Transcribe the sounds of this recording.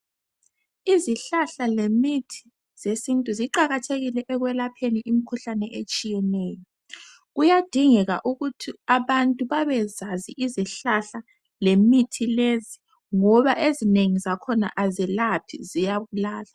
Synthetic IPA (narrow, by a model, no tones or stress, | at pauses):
iziɬaɬalemitʰi̥ | z̥esintʼuziǃaɣatʰeɣilɛʔɛɣwɛlapʰeniʔimikʰuɬanɛʔet͡ʃʼijɛnɛːjɔ | ɣujad̥ʱiŋɛɣa̰ʔuɣutʰiaβantʼuβaβɛzaziʔiziɬaɬa | lemitʰilezi | ŋɔβaʔezineŋizakʰɔna̰ʔazɛlapʰḭzijaβulaːla